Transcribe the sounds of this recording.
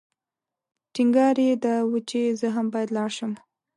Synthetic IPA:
ʈiŋɡɑɾed̪əwət͡ʃezəɦambɑjad̪lɑɽʃəm

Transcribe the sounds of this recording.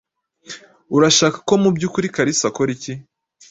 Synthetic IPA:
uɾaʃaːkḁko̞mubɟuːkuɾikaɾisakoɾici

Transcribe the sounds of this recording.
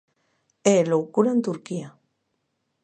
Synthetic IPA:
elowkuɾant̪uɾkia

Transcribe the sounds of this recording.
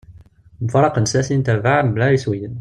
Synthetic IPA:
mfɾˤɑqənsæsint̪ævaʕmblæɾiswijən

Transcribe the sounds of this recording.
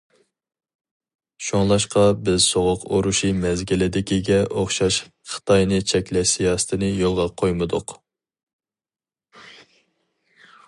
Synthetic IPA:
ʃoŋlˠɑʃqɑbɪzsoʁʊqoɾuʃimɛzɡʲɪlɪd̪ɪkʲiɡʲɛʔoχʃɑʃ | χə̥t̪ʰɑjnɨt͡ʃʰɛkʲlɛʃsijɑːsɨ̥t̪ʰɪnɨjolˠʁɑqʰojmɨd̪ʊq

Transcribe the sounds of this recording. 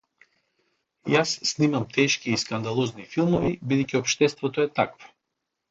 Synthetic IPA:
jasːnimamt̪ʰɛʃkiːskand̪alˠɔznifilˠmɔvibid̪ɛjcʲiɔpʃt̪ɛst̪vɔt̪ɔɛt̪akvo̥

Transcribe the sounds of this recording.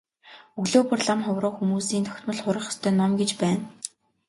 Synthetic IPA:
ɵɣɮoːpʰʊ̆rɮamχʊwrʊːxumuːsiːnt̪ʰœ̥xʲt̪mə̆ɮχʊɾə̆χɔ̥st̪ʰœːnːɔmɡet͡ɕpæːn

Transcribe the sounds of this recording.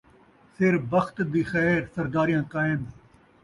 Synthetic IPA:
sɪɾbəxt̪d̪iːxɛːɾsɐɾd̪aːɾijãːkaːɪm

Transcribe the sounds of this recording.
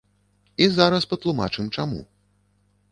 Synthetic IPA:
izaɾɐspɐt̪lˠuma̰t͡ʂɨmt͡ʂamṵ

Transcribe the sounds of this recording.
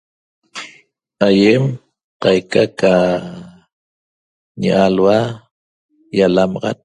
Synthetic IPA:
ajem | qɑjkaka | ɲa̰ʔalwa | jalamɑʁɑ̰t̪̚

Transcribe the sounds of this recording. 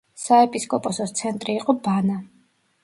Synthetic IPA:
saɛpʼiskʼɔpʼɔsɔt̪sʰɛnt̪ʼɾiːqʼɔbana

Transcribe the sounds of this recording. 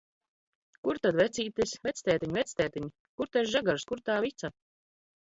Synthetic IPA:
kuɾt̪ad̪vɛt̪siːt̪isʲvɛt̪sʲt̪ɛːt̪iɲʲvɛt̪sʲt̪ɛːt̪iɲ | kuɾt̪aʃʒaɡaɾskuɾt̪aːvit̪sa

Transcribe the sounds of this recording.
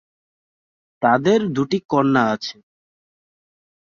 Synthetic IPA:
t̪ad̪eɾd̪uʈikɔnːaat͡ɕʰe̥

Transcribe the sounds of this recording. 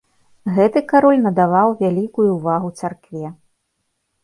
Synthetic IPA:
ɣɛt̪ɨkaɾɔlʲnɐd̪avawvʲalʲikujuːvaɣut̪sarkvʲɛ

